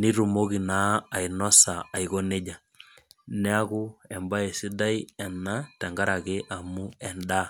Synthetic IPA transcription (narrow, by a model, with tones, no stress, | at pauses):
ni˦ɾu˨mo˦ki˨na˦a˨inɔ˦sa˨a˨i˨ko˦ne˦d͡ʒa˨ | nɛ˦a˦ku˦ɛ˨mba˦e˨si˦da˦i˦ɛ˨na˦tɛ˨ŋɡa˦ɾa˨ke˦ʔa˨mu˦ɛ˨nda˦